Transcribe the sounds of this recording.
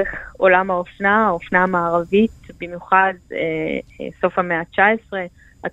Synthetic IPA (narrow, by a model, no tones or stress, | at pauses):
eχo̞lamhaofnaofnamaːʁavit̚bimjuχadḛso̞fhameat͡ʃaesʁe̞ | a